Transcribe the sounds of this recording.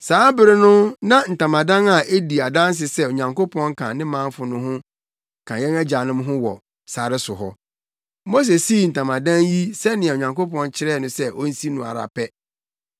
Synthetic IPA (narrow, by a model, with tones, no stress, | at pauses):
saː˨˦bɪ˨ɾɪ˦nʊ̃˦nã˦n̩˨tʰã˨mã˨dã˦na˨ʔe˦di˨a˨dã˦n˦s̬ɪ˨sɛ˦o˨ɲã˨ŋko˦pʰɔ̃˦ŋ˦kʰã̰˨nɪ̃˦mã˦ɱfʊ˨nʊ̃˦ɦʊ̃˦˨ | kʰã˨jɛ˦næ˦d͡ʑa˨nʊ̃˦mɦʊ̃˦wɔ˨ | sa˨ɾɪ˦sʊ˨ɦɔ̰˦ | mo˦s̬e˨si˦˨n̩˨tʰã˨mã˨dã˦nji˦sɛ˦nɪ̃˨ɛ˨o˨ɲã˨ŋko˦pɔ̃˦nt͡ɕʰɪ˦ɾɛ˦˨nʊ̃˦sɛ˦ʔɔ˦n̩˦si˦nʊ̃˨a̰˨ɾa̰˨pʰɛ˦